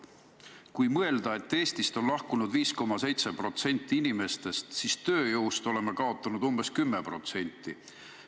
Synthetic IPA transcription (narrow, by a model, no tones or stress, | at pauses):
kujmɤe̞ld̪̥ɑe̞t̪ːe̞ːst̪ist̪o̞nlɑhkunud̪viːsko̞mːɑse̞jt̪sepro̞t̪se̞nʲt̪ːˑiinime̞st̪e̞st̪sist̪ø̞ːjowst̪o̞le̞mekɑo̞t̪ːˑɑnud̪̥umbe̞skymːepro̞̰t̪se̞nʲt̪ːˑi